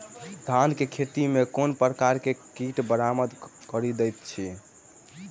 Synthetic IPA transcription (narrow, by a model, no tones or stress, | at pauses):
d̪ʱankekʰet̪imekonpɾəkaɾkekiʈbəɾaməd̪kəɾid̪ɛjt̪t͡ʃʰi